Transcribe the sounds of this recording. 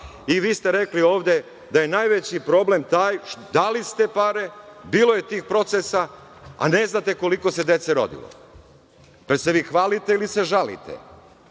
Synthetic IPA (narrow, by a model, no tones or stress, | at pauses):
iʋiːst̪e̞ɾeklio̞ːʋd̪ʲe̞ | d̪aje̞naːjʋet͡ɕipɾo̞ble̞mt̪aːjd̪alist̪e̞paɾe̞biːlo̞je̞t̪iːxpɾo̞t̪sesaa̰ne̞znat̪e̞ko̞liko̞se̞d̪je̞t̪seɾo̞̰d̪ḭlo̰ | peɾseʋiːxʋaːlit̪eilise̞ʒalḭt̪ḛ